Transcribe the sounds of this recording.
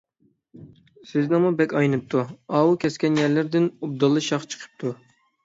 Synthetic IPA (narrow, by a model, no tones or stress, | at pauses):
sɪznɨŋmubɛkʲɑjnɨp̚t̪ʰuɑːwukʲʰɛskʲɛnjɛɾlɪɾd̪ɪnub̚d̪ɑlˠːɨʃɑχt͡ʃʰə̥qʰə̥p̚t̪ʰu